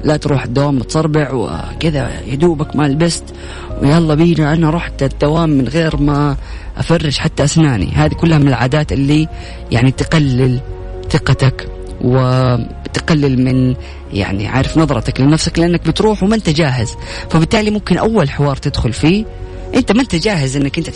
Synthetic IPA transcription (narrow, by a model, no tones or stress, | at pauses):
lat̪ɾuːħɪd̪ːawaːmːɪt̪sˤɑɾˤbɪʕwɪ̰kɪða̰jad̪uːbakmalbast̪ | wjaʔɑlˤːɑbiːliʔanːaɾˤuːħt̪ad̪ːawaːmːɪnɣeːɾma | ʔa̰fɑrːɪd͡ʒħat̪ːaʔasnaːnḭhaːðikʊlːhamɪnɪlʕaːd̪aːt̪ʔɪlːi | ja̰ʕnit̪qalːɪl | θɪqɑt̪ak | wɪ | t̪ɡalːɪlmɪn | ja̰ʕnḭʕa̰ːɾɪfnɑðˤɾˤɑt̪aklɪnafsaklɪʔanːak̚bɪt̪ɾuːħwmɪnt̪ad͡ʒaːɦɪz | fabɪt̪ːaːlimʊmkɪnʔawːalħɪwɑːɾˤt̪ɪd̪xʊlfiː | ʔɪnt̪amant̪ad͡ʒaːɦɪzʔɪnːakʔɪnt̪a